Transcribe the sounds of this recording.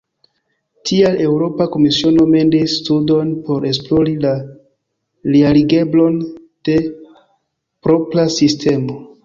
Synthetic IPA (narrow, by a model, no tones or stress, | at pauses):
tʰiale̞wɾo̞pako̞misiono̞me̞ndisːtudo̞npo̞ɾe̞s̬plo̞ɾila | lialiɡe̞blo̞n | d̥e̞ | pɾo̞pɾasistʰe̞mo̞